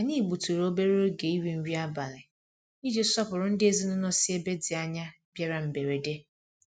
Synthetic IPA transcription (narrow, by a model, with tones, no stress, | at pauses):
a˨ɲi˦˨ɡ͡bu˨tu˨ɾo˦be˦ɾo˦ɾʊ˦ɡe˨i˦wi˨n̩˦wi˦a˦ba˨lɪ˨ | i˦d͡ʒe˦sɔ˦pʊ˨ɾʊ˦n̩˦dɪ˦e˦zi˦nʊ˦nɔ˦sɪ˦e˦be˦dɪ˨a˦ɲa˦ | bja˦ɾa˨m̩˨be˨ɾe˨de˦